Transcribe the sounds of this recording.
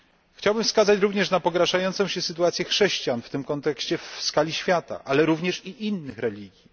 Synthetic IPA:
xt͡ɕawbɘmfskazat͡ɕɾuvɲɛʂnapɔɡɾaʂajɔnt̪sɔ̃w̃ɕɛsɘt̪uat̪sʲjɛxʂɛɕt͡ɕijanft̪ɘmkɔnt̪ɛkɕt͡ɕɛfskalʲiɕfʲjat̪a̰ʔalɛɾuvɲɛʂiʔinːɘxɾɛlʲiɡʲji

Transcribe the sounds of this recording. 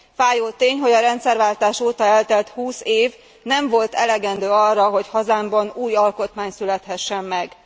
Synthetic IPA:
faːjoːt̪eːɲɦo̞ɟɒɾɛnt̪sɛrvaːlt̪aːʃoːt̪ɒɛlt̪ɛlt̪huːseːv | nɛɱvo̞lt̪ɛlɛɡɛnd̪øːɒrːɒɦo̞chɒzaːmbɒnuːjɒlko̞t̪maːɲsylɛt̪hɛʃːɛmːɛɡ

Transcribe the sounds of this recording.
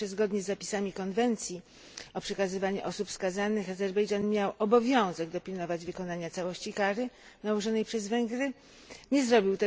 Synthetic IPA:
ɛzɡɔd̪ɲɛzːapʲi̥samʲikɔnvɛnt̪sʲji | ɔpʂɛkazɘvaɲɛʔɔsupfskazanɘxazɛɾbɛjʐanmʲjawʔɔbɔvʲjɔ̃w̃zɛɡd̪ɔpʲilnɔvad͡ʑvɘkɔnaɲat̪sawɔɕt͡ɕikaɾɘ | nawɔʐɔnɛjpʂɛzvɛŋɡɾɘ | ɲɛzɾɔbʲiwt̪ɛ

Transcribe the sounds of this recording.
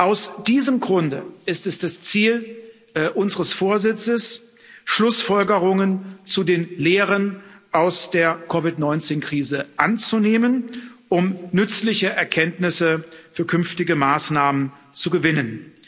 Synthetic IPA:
ʔaʊsd̥iːzəmɡʁʊndəʔɪstɛsd̥ast͡siːl | ʔʊnzəʁəsfoːɐzɪt͡səs | ʃlʊsfɔlɡəʁʊŋənt͡sudeːnleːʁənʔaʊsd̥eːɐkʰɔvɪtnɔʏnt͡seːnkʁ̥iːzəʔant͡suneːmənʔʊmnʏt͡slɪçəʔɛɐkʰɛntnɪsəfyːɐkʰʏnftɪɡəmaːsnaːmən | t͡suɡəvɪnən

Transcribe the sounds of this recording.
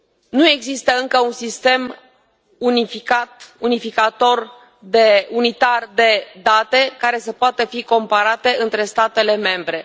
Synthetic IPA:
nue̞ɡzist̪əɨŋkəunsist̪e̞m | unifikat̪unifikat̪o̞r | d̪e̞unit̪ard̪e̞d̪at̪e̞kaɾe̞səpoat̪əfiko̞mpaɾat̪e̞ʔɨnt̪ɾe̞st̪at̪e̞le̞me̞mbɾe̞

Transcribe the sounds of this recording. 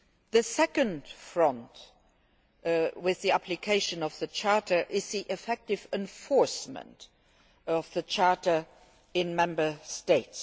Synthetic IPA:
ðəsɛkə̃ndfɹʌ̃nt | wɪððiæpʰlikʰeɪʃə̃nʌvðət͡ʃʰɑɹtə˞ʔɪzðiʔɪfɛk̚tɪvɛ̃nfɔɹsmə̰̃nt | ʌvðət͡ʃʰɑɹtə˞ | ɪ̃nmɛ̃mbə˞steɪts

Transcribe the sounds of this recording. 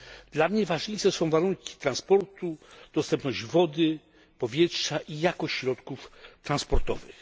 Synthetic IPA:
d̪̥lamɲɛvaʐɲejʂɛsɔ̃w̃vaɾuŋkʲi̥t̪ɾanspɔɾt̪ud̪̥ɔst̪ɛmpnɔʑd͡ʑvɔd̪ɘ | pɔvʲjɛtʂaʔijakɔɕt͡ɕɕɾɔt̪kuft̪ɾanspɔɾt̪ɔvɘ̰x

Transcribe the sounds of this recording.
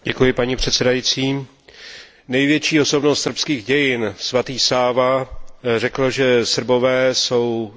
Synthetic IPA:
ɟɛkujɪpaɲipr̝̥ɛt̪sɛdajit͡siː | nɛjvjɛt͡ʃiːo̞so̞bno̞st̪sr̩pskiːɣɟɛjɪnsvat̪iːsaːvarɛkl̩ʒɛsr̩bo̞vɛːso̞w

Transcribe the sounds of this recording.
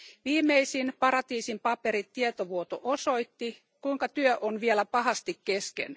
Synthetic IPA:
ʋiːmeisinpɑrɑt̪iːsimpɑperit̪tiet̪oʋuot̪oʔosoit̪ːi | kuiŋkɑt̪yøʔonʋielæpɑhɑst̪ikkeskḛn

